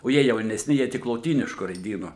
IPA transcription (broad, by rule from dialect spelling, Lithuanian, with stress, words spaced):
oː ˈjiɛ jɛʊnʲɛsʲˈnʲɪ ˈjiɛ ˈtʲɪk lˠoːˈtʲiːnʲɪʃkʊ rɐɪˈdʲiːnʊ